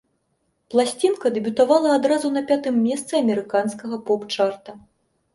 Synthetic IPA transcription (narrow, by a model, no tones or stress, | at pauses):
plˠasʲt͡sʲinkɐd̪ɛbʲut̪avalˠɐːd̪ɾazunɐpʲat̪ɨmːʲɛst̪sɨɐmʲɛɾɨkanskɐɣɐpɔpt͡ʂart̪ɐ